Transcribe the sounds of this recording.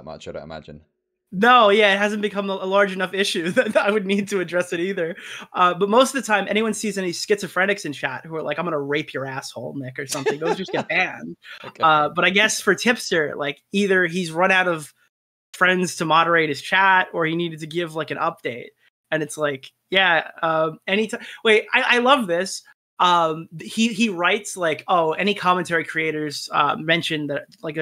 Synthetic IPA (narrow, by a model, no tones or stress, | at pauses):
t̚mʌ̰t͡ʃɨɾa̰ɪə̰mæ̰d͡ʒɨ̰̃n | noʊjæɪt̚hæzɨ̃nb̥ɨkʰʌ̃məəlɑɹd͡ʒɨnʌfɪʃʉðɨaɪwɨdⁿnid̚tʰɨɨdɹɛsɨɾiðə˞ʔʌbʌt̚moʊstʌvðɨtʰãɪ̃mɛ̰ɾiwʌ̃nsizɛ̃niskɪtsʌ̥fɹɛ̃ñɨksɨ̃nt͡ʃʰæt̚hə˞laɪkaɪ̃mɡʌnəɹeɪpʰjə˞æshoʊlˠmɪkə˞sʌ̃mθɪ̃ŋðoʊzd͡ʒʌsɡ̥ɨb̥æ̃nd̥ʌb̥ʌɾaɪɡɛsfə˞tʰɪpstə˞laɪkiðə˞izɹʌ̃ñaʊɾʌv̥ | fɹɛ̃ndz̥tʰɨmɑɾə˞eɪt̚hɨz̥t͡ʃʰæɾə˞iniɾɨd̚tʰɨɡɪvlaɪkɨ̃ñʔʌp̚d̥eɪt̚ | ɨ̃nɨtslaɪk | jæʌ̃mɛñitʰãweɪʔa̰ɪʔaɪlʌvðɪs | ʌ̃miiɹaɪtslaɪkoʊʔɛɾ̃ikʰɑmə̃ntʰɛɹikʰɹ̥ieɪɾə˞z̥ʌ̰mɛ̃nʃɨ̃nðɨlaɪk̚